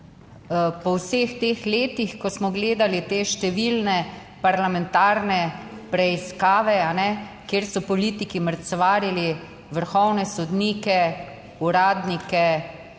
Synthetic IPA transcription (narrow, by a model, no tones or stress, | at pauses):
pɔwsext̪eːxleːt̪ixkɔsmɔɡleːd̪alit̪eːʃt̪ɛʋilnɛ | paɾlamɛ̃nt̪aːɾnɛpɾɛiskaːʋɛanɛkeːɾsɔpɔliːt̪ikiməɾt̪sʋaːɾili | ʋəɾxɔwnɛsɔd̪niːkɛ | uɾaːd̪nikɛ